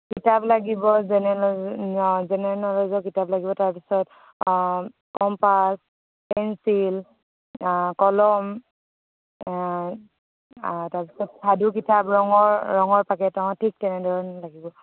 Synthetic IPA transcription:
kitaplaɡibɔzɛnɛ | zɛnɛɹnɔlɔzɔkitaplaɡibɔtaɹpisɔt | kɔmpas | pɛnsil | kɔlɔm | taɹpisɔtsʰadukitapɹɔŋɔɹːɔŋɔɹpakɛtãtʰik̚tɛnɛdɔɹɔnlaɡibɔ

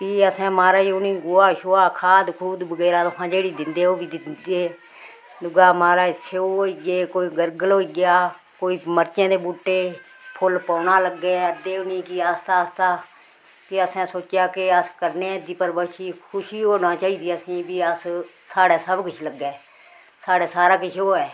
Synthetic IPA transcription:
piːəsãːmaːɾaːiːʊnĩːɡʊaːʃoaːkʰaːd̪kʰuːd̪bəɡɛːɾaːt̪əpʰãːd͡ʒeːɽiːd̪ɪnd̪eːoːbiːd̪ɪnd̪eː | d̪ʊɡaːmaːɾaːɪsʰeoːɦoːiːɡeːkoːiːɡəɾɡəloːiːɡɪjaː | koːiːməɾt͡ʃẽːd̪eːbuːʈːeː | pʰʊlpãːnaːləɡːeːəd̪eːʊniːkiːaːst̪aːst̪aː | kɪəsɛ̃ːsoːt͡ʃjaːkɪəskəɾneːd̪iːpəɾbəʃiːkʰʊʃiːɦoːnãːt͡ʃaːiːd̪iːəsĩːbiːəs | saːɽaːsəbkʊt͡ʃʰləɡːɛː | saːɽeːsaːɾaːkɪt͡ʃʰoːɛː

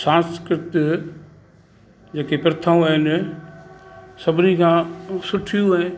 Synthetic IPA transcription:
sãːnskɪɾɪt̪ | d͡ʑeːkepɪɾt̪ʰaːũɦɪn | sɐbʱɪnikʰãːsʊʈʰijũɪ

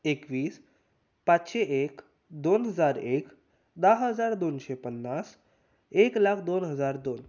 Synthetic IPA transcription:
ekʋiːs | patɕeʔek | d̪onɦəd͡zaɾek | d̪aɦɦəd͡zaɾd̪onɕepənːas | eklakʰd̪onɦəd͡zaɾd̪on

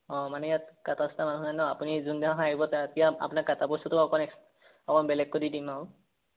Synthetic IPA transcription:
ɔ̃manɛjatkatastamanuɦnanɔapunizundaɦãɦaɦibɔtatijaa̰punakatabɔsɔtɔɔkɔnɛ | ɔkɔnbɛlɛɡ̚kodidimaʊ̃

